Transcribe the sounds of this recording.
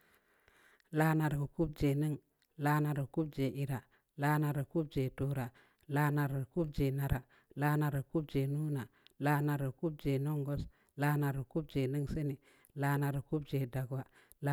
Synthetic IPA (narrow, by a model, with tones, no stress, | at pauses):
la˦na˨ɾku˦b̚d͡ʒe˨ni˦ŋ | la˦na˨ɾa˨ku˦b̚d͡ʒe˨ʔi˨ɾa˨ | la˦na˨ɾa˨ku˦b̚d͡ʒe˨tu˦ɾa˨ | la˦na˨ɾa˨ku˦b̚d͡ʒe˨na˨ɾa˨ | la˦na˨ɾa˨ku˦b̚d͡ʒe˨nu˦na˨la˦na˨ɾa˨ku˦b̚d͡ʒe˨no˦ŋɡo˦s | la˦na˨ɾku˦b̚d͡ʒe˨ni˦ŋse˦ni˨ | la˦na˨ɾa˨ku˦b̚d͡ʒe˨da˨ɡwa˨ | l